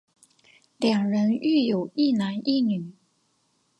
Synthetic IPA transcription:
ljɑ˨˩ŋɻə˧˥ny˥˩jo˨˩ʊi˥˩na˧˥ni˥˩ny˨˩˦

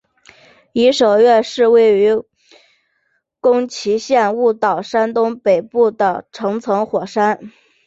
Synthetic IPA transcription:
i˧˥ʂo˨˩ʊɥɛ˥˧nʂɻ̩˥˧we˥˩ɪy˧˥ | kʊ˥ŋt͡ɕʰi˧˥ɕjɛ˥˧nu˥˩t̪ɑ˨˩ʊʂa˥nt̪ʊ˥ŋpe˨˩ɪpu˥˩d̪ə˩ʈ͡ʂʰɤ˧˥ŋt͡sʰɤ˧˥ŋxwɔ˨˩ʂa˥n

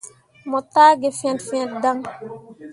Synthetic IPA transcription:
mɔ˨taː˦ɡe˨fɛ̃˨ntfɛ̃˦nt̚da˦ŋ

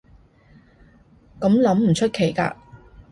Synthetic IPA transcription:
kɐ˨˥mlɐ˨˥mm̩˨˩t͡ʃʰɵ˥t̚kʰe˨˩jka̰ː˧

